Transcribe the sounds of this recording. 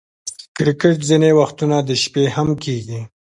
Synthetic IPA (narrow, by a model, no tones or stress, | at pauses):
kɾɪkɪʈzinewaxt̪unad̪əʃpehamkʰeɡi